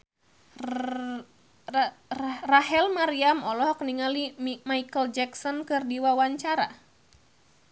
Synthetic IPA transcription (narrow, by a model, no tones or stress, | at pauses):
raɦɛlmaɾiamɔlɔhɔkniŋalimimaikəld͡ʒɛksɔnkɨrdiwawaɲt͡ʃaɾa̰